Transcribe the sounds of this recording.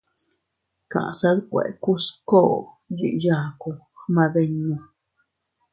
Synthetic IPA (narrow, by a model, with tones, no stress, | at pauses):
ka̰˨ʔsa˦d̪kʷḛ˨ku˦sko˦˨ | jḭ˨ja˧˨ku˧ | ma˧be˧ɲnu˧